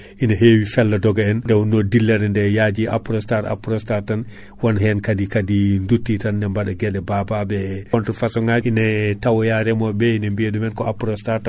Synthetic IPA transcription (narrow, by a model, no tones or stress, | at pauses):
ʔinaɦewifɛlːadɔɡaɛndɛwnɔdilːɛɾɛndɛjad͡ʒia̰pɾɔstaɾa̰pɾɔstaɾtan | wɔnɦɛnkadikadindutːitanːɛmbaɗaɡɛɗɛbababɛɔntɾɔfasɔŋainɛtawɔjaɾɛmɔbɛinambeɗumɛnkɔapɾɔstaɾta